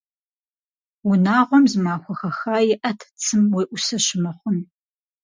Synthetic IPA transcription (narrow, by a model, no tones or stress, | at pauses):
wʊnaːʁʷɔmzɨmaːxʷɔxɐxaːjɪʔɐtʰt͡sʰɨmwejʔʷʊsɐɕɪmɐχʷʊn